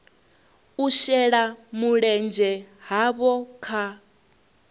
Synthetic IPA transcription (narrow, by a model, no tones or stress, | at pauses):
uʃɛɺamuɺɛnd͡ʒɛɦaβɔkʰa